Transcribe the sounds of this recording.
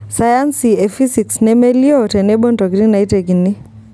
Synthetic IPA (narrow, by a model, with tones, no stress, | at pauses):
saja˦nsie˨fisiksnɛmɛliɔ˦tɛ˨nɛbɔ˦ndɔ˨ɡɾi˦na˨i˦te˨ɡini˦